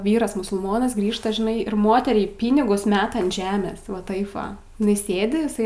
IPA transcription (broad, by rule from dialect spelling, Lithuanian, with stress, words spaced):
ˈʋʲiːrɐs mʊsʊlˠˈmoːnɐs ˈɡrʲiːʃtɐ ʒʲɪˈnɐɪ ɪr ˈmoːtʲɛrʲɛɪ ˈpʲiːnʲɪɡʊs ˈmʲæːtɐ ɐnt ˈʒʲæːmʲeːs ʋɐ ˈtɐɪp ˈʋɐ ɪˈnɐɪ ˈsʲeːdʲɪ ɪˈsɐɪ